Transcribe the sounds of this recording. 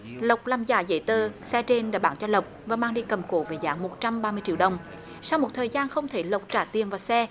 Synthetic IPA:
lə˨˩wk͡p̚laː˨˩mzaː˧˩zə̰˧˥˦jt̪əː˨˩sɛ˧t͡ɕe˧nɗa̰ː˧˥ɓaː˧˦ŋt͡ɕɔ˧lə˨˩wk͡p̚vaː˨˩maː˧ŋɗi˧kə˨˩mko˨˦ve˨˩za̰ː˧˦ŋmo˨˩t̚t͡ɕa˧mɓaː˧mɨ˧ət͡ɕi˧˥wɗə˨˩wŋ͡m | sa˧wŋ͡mmo˨˩t̚t̪ʰəː˨˩jzaː˧nxə˧wŋ͡mt̪ʰe˧˩lə˨˩wk͡p̚t͡ɕaː˧˩t̪i˨˩ənvaː˨˩sɛ˧

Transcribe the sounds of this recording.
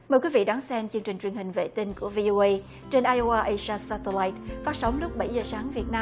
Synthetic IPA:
məː˨˩jkwi˨˦vḭ˧˨ɗaː˨˦ŋsɛ˧mt͡ɕɨ˧əŋt͡ɕï˨˩ŋ̟t͡ɕwi˨˩ənhï˨˩ŋ̟vḛ˧˨t̪ï˧ŋku˧˩əvi˧ʔo˧ʔə˧j | t͡ɕe˧nʔaː˧jʔo˧ʔaː˧ʔə˧jsaː˧sa˧t̪e˧laː˧˩jt̚faː˦˥t̚sə˨˦wŋ͡mlʊ˦˥k͡p̚ɓa˧˩jzəː˨˩saː˨˦ŋvi˨˩ət̚naː˧

